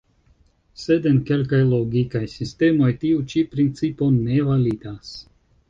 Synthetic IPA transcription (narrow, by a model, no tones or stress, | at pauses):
sed̪enkelkajloɡikajsist̪emojt̪iut͡ʃipɾint͡siponevalid̪aːs